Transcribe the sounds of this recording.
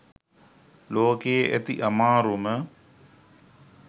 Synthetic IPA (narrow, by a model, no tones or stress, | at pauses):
loːkejeʔet̪ḭʔɐmaːɾumə